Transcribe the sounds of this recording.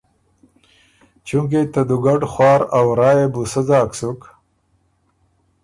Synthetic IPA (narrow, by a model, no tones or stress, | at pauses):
t͡ʃuŋk̬et̪ad̪uɡaɖxwɑːɾawɾɑːjebusəzɑːksuk